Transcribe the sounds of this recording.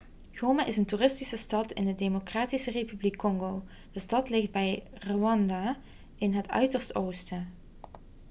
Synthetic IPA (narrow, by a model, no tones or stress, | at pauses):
ɣ̥owmaʔɪsəntuːrɪstisəstɑtɪ̰ndədemokraːtisərejpyblikːɔŋɡow | d̥əstɑtlɪχd̚bɛjroɑndaː | ɪnɦətœ̰ɥtəɹstoːwstə